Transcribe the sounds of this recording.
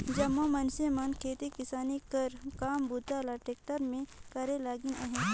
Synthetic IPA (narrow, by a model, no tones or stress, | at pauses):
d͡ʒɐmːamɐnsemaːnkʰeːt̪ekɪsaːnikəɾkaːmbʊd̪ʱaːlaʈeːk̚ʈəɾmẽkɐɾelaːɡinɐɦɛ̃